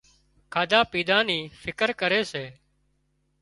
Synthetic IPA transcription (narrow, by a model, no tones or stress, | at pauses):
kʰaːd̪aːpiːd̪ãːniːfʰɪkəɾkəɾeːseː